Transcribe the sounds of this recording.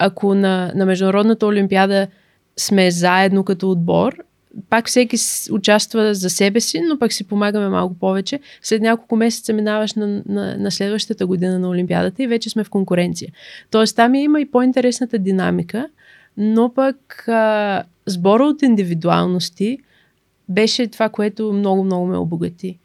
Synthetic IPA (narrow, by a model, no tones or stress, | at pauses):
akʰonɐnɐmɛʒd̪ʊnɐɾɔd̪nət̪əʊlimpiad̪ə | smɛzaɛd̪nokɐt̪ɔːd̪̚bɔ̰ɾ | pakfsɛkʲisʊt͡ʃast̪vəzɐsɛbɛsinopɐksipomaɡəmɛma̰lˠkʊpɔvɛt͡ʃɛslɛt̪nʲakolˠkʊmɛsɛt̪səminavəʃnnɐ̰nɐslɛd̪vəʃt̪ət̪əɡʊd̪inənɐʊlimpia̰d̪ət̪əivɛt͡ʃɛsmɛfkoŋkʊɾɛnt̪sijət̪ɔɛst̪amiɛiməipoint̪ɛɾɛsnət̪əd̪ina̰mikə | nopəkə | zbɔɾəot̪ind̪ivid̪ua̰lˠnost̪i | bɛʃɛt̪ovakoɛt̪ʊmnɔɡʊmnɔɡʊmɛ̰o̰boɡɐt̪i